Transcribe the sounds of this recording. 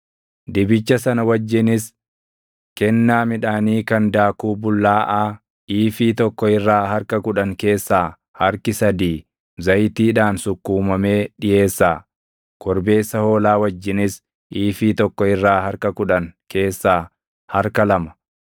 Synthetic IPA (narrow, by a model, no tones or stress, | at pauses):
d̪ɪbɪt͡ʃːɐsɐnɐwɐd͡ʒːɪnɪs | kɛnːaːmɪᶑaːniːkɐnd̪aːkuːbʊlːaːʔaː | ʔiːfiːt̪ɔkːɔɪrːaːhɐɾkɐkʊᶑɐŋke̞ːsːaː | hɐɾkɪsɐd̪iː | zɐjt̪iːᶑaːnsʊkːuːmɐme̞ːᶑɪje̞ːsːaː | kɔɾbe̞ːsːɐho̞ːlaːwɐd͡ʒːɪnɪs | ʔiːfiːt̪ɔkːɔɪrːaːhɐɾkɐkʊᶑɐŋkʰe̞ːsːaː | hɐɾkɐlɐmɐ̥